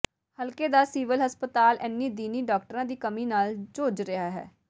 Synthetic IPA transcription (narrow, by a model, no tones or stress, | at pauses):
həlkeːd̪aːsiːʋəlɦəspət̪aːlɛːnːiːd̪iːniːɖɔːk̚ʈəɾãːd̪iːkəmiːnaːld͡ʒoːd͡ʒɾɪaːɦɛ̰ː